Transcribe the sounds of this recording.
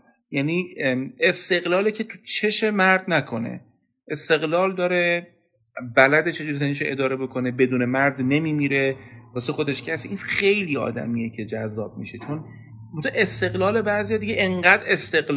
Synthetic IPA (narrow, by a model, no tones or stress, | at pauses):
jæniːest̪e̞ɣlɒːlecʰe̞t̪ʰut͡ʃʰe̞ʃe̞mæɾd̪nækʰo̞ne̞̰ | ʔest̪e̞ɣlɒːld̪ɒːɾe̞ | bælæd̪e̞t͡ʃʰe̞d͡ʒuɾisæniʃoʔed̪ɒːɾe̞bo̞kʰo̞ne̞be̞d̪uːne̞mæɾd̪ne̞miːmiːɾe̞v̥ɒsexo̞d̪e̞ʃcʰæsiʔinχe̞jliːɒ̰ːd̪æ̰miːjecʰe̞d͡ʒæzːɒːb̥̚miʃe̞t͡ʃʰo̞n | mot̪ʰoʔe̞st̪e̞ɣlɒːle̞bæzijɒːd̪iɟeʔeŋɢæːd̪e̞st̪e̞ɣl